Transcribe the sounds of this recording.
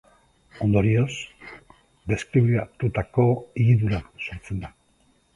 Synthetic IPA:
o̞nd̪o̞ɾio̞s | d̪e̞skɾiβikat̪ut̪ako̞iɣiðuɾasoɾt͡se̞nd̪a

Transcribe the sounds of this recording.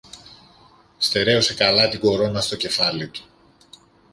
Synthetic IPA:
st̪e̞ɾe̞ose̞kɐlɐt̪iɡo̞ɾo̞nɐst̪o̞ce̞fɐlit̪u̥

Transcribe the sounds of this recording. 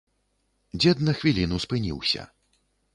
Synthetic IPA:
d͡zʲɛd̪nɐxvʲilʲinuspɨnʲḭwsʲɐ̰

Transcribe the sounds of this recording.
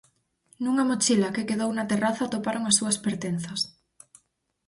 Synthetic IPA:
nuŋamot͡ʃilakekeðownat̪eraθat̪opaɾoŋasːuaspeɾt̪en̟θas

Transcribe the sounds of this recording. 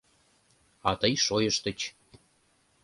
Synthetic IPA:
ɑt̪əjʃojəʃt̪ət͡ɕ

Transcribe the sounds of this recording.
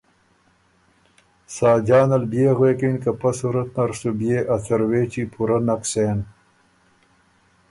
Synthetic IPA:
saːd͡ʑaːnɐlbjeːɣweːkinkɐpɐsuɾɐt̪̚nɐɾsubjeːʔɐsɐɾweːt͡ɕipʰuɾɐnɐkseːn

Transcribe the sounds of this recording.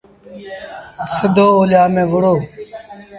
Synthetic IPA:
səd̪oːoːljaːmẽːʋʊɽoː

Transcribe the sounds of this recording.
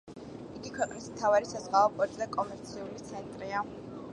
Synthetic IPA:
iɡikʰwɛqʼnismt̪ʰavaɾisazʁaɔpʼɔɾt̪ʼzɛkʼɔmɛɾt̪sʰiulit̪sʰɛnt̪ʼɾia

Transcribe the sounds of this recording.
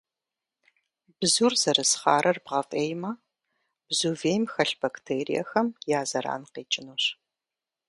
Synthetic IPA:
bzuːrzɐɾɨsχɑːɾʔɐrbʁɐfʼeːjmɐ | b̥zuːveːjmxɐɬb̥ɐktʰeːɾḭɐ̰xɐmjaːzɐɾa̰ːnqeːt͡ʃʼɪnuːɕ

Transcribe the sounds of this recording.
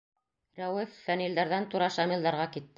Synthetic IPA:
ɾæwɘfːænild̪æɾðænt̪uɾɑʃɑmilˠd̪ɑɾʁɑkit̪ː

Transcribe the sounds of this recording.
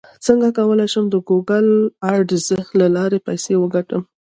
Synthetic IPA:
t͡səŋɡakawəlajʃəmd̪əɡuɡalɑɾɖzəhlalɑɾepajsewəɡaʈəm

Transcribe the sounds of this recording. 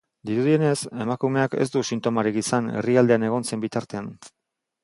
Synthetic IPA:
d̪iɾuð̞ie̞ne̞se̞makume̞ake̞̰sd̪usint̪o̞maɾikisane̞̰riald̪e̞ane̞ɣ̞o̞nse̞mbit̪aɾt̪e̞an

